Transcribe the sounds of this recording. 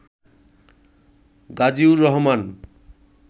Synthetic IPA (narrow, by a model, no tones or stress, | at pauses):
ɡad͡ʑiuɾɔɦɔman